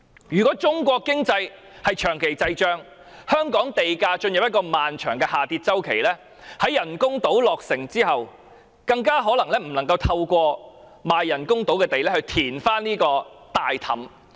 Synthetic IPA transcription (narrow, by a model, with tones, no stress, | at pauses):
jyː˨˩kɔː˨˥t͡sʊ˥ŋkʷɔː˧kːɪ˥ŋt͡sɐ˧j | hɐ˨jt͡ʃʰœː˨˩ŋkʰe˨˩jt͡sɐ˧jt͡ʃœː˥ŋ | hœː˥ŋkɔː˨˥ŋt̪e˨jkaː˧t͡ʃɵ˧njɐ˨p̚jɐ˥t̚kɔː˧maː˨nt͡ʃʰœː˨˩ŋkɛː˧haː˨t̪iː˧t̚t͡sɐ˥wkʰe˨˩jlɛː˥ | hɐ˨˥jːɐ˨˩nkʊ˥ŋt̪o˨˥wlɔː˨k̚sɪ˨˩ŋt͡siː˥ɦɐ˨w | kɐ˧ŋkaː˥ɦɔː˨˥lɐ˨˩ŋlɛː˥m̩˨˩nɐ˨˩ŋkɐ˧wt̪ʰɐ˧wkʷɔː˧ | maː˨jːɐ˨˩nkʊ˥ŋt̪o˨˥wkɛː˧t̪e˨jlɛː˥hɵ˧ɥt̪ʰiː˨˩nfaː˥nniː˥kɔː˧t̪aː˨jt̪ʰɐ̰˨˥m